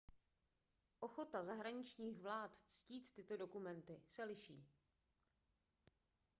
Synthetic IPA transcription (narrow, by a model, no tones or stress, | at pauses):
ʔo̞xo̞t̪azaɦɾaɲɪt͡ʃɲiːxvlaːt̪t͡sciːt̪ːɪt̪o̞do̞kumɛnt̪ɪsɛlɪʃḭː